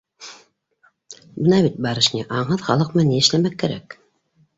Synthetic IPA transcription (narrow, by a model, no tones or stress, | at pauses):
bɤ̆nɑβit̪̚bɑɾɤ̆ʃnʲiʔɑɴɦɤðχɑlˠɤqmɤniɘ̆ʃlæmækːæɾæ̰k